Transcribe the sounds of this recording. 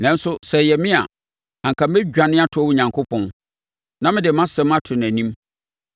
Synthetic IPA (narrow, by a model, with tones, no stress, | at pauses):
nã˨n˦sʊ˦sɛ˨jɛ˨mɪ̃˦a̰˨ | ã˨ŋ̩˨kʰa˨m̩˦e˦d͡ʑᶣa˨nɪ̃˦a˦tʰʊ˦wʊ˦ɲã˨ŋkʰʊ˦pʰɔ̃˦n | nã˦mɪ̃˦dɪ˨˦mã˦sɛ˦ma˦tʰʊ˨n˨æ̃˨nĩ˦m